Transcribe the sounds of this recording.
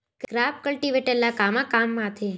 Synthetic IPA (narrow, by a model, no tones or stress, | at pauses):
kɡɾap̚kəlʈiʋeʈeɾnakamãkamːãt̪ʰe